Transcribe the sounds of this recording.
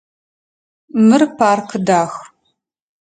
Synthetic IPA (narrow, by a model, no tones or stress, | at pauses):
mɨrpʰaːrqʰɨdaːx